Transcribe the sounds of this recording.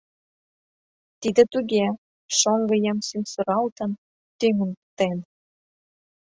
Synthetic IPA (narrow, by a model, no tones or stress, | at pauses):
t̪id̪ĕt̪uɣe | ʃoŋɡɤ̆jɑmsynsoɾɑlt̪ə̆n | t̪yŋə̆nt̪en